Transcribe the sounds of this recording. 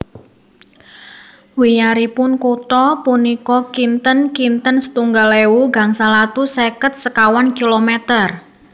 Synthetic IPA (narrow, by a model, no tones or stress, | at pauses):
wijaɾipʊnkut̪ɔpunikɔkint̪ənkint̪ənsə̥t̪uŋɡalewuɡa̤ŋsalat̪usɛkət̪̚səkawankilomɛt̪ər